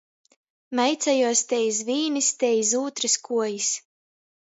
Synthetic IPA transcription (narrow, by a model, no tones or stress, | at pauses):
mɛjt̪sajuɔst̪ɛjizviːnist̪ɛjizuːt̪ɾɨskuɔjis